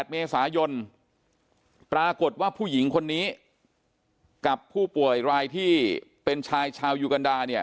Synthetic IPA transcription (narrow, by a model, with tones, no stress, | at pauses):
t̪̚meː˧saː˩˦jo˧n | pɾaː˧ko˨˩t̪̚waː˥˩pʰuː˥˩ji˩˦ŋkʰo˧nːiː˦˥ | ka˨˩pʰːuː˥˩pu˨˩əjɾaː˧jt̪ʰiː˥˩pe˧nt͡ɕʰaː˧jt͡ɕʰaː˧wjuː˧ka˧ndaː˧ni˥˩ə